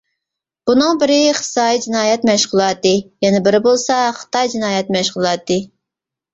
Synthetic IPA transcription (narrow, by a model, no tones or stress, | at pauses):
b̥unɨŋbɪɾɪχɨ̥sɑːjid͡ʒinɑːjɛt̪mɛʃχʊlˠɑt̪ːɨjɛnɪbɪɾɪbolˠsɑχə̥t̪ɑjd͡ʒinɑːjɛt̪mɛʃʁʊlˠɑt̪ːɨ